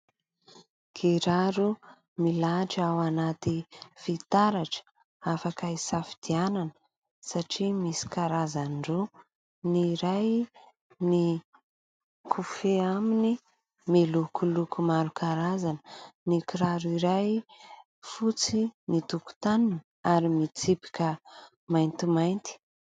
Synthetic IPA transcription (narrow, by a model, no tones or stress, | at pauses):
kʰiɾaɾu | milaʈ͡ʂawanat̪ifit̪aɾaʈ͡ʂə̥ | afakəisafi̥d̪̥iananə | saʈ͡ʂimisi̥kaɾazanɖ͡ʐo | niɾaj | ni | kʰufeamini | melukulukumaɾukaɾazanənikiɾaɾuiɾaj | fut͡sinit̪uku̥t̪anin | aɾimit͡sipi̥kʲə | majnt̪imajnt̪i̥